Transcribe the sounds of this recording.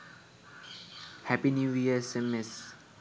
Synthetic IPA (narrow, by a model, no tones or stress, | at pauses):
hɛpinuiɛsɛ̃mɛs